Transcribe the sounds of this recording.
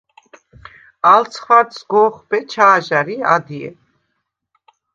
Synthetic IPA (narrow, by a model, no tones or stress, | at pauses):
alt͡sʰχvaɾt̪sɡɔːχbɛt͡ʃʰaːʒaɾia̰d̪iɛ̰